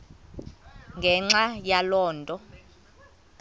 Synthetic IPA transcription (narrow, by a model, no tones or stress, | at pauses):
ŋɡʱɛŋ͡ǁajalɔːntʼɔ